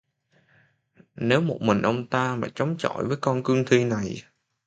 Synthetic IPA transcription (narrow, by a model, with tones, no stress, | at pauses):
ne˨˦wmo˨˩t̚mï˨˩ŋ̟ʔə˧wŋ͡mt̪aː˧maː˨˩t͡ɕə˨˦wŋ͡mt͡ɕɔ̰˧˨jvəː˨˦jkɔ˧nkɨ˧əŋt̪ʰi˧na˨˩j